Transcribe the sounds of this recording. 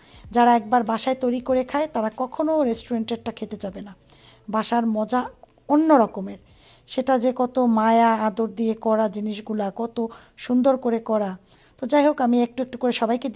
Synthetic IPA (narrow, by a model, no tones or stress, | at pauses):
d͡ʑaɾaɛk̚baɾbaʃaet̪ojɾikoɾekʰaet̪aɾakɔkʰonoɾesʈuɾeɳʈek̚ʈakʰet̪et͡ɕabena | baʃaɾmɔd͡ʑa | onːoɾɔkomeɾ | ʃeʈad͡ʑekɔt̪omaejaad̪oɾd̪iekɔɾad͡ʑiniʃ̬ɡulakɔt̪o | ʃund̪oɾkoɾekɔɾa | t̪od͡ʑajɦokamiek̚ʈuek̚ʈukoɾeʃɔbajked̪